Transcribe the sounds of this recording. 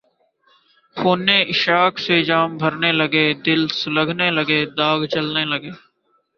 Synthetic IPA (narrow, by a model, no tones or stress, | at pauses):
kʰoːnẽːʔɪʃaːkʰsed͡ʒaːmbʱəɾneːləɡeːd̪ɪlsələɡʱneːləɡeːd̪aːɡt͡ʃəlneːləɡeː